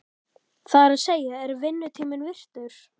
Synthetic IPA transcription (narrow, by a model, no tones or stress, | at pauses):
θaɾaðseːjaɛɾvɪnːʏt̪ʰiːmɪnvɪr̥t̪ʏɾ̥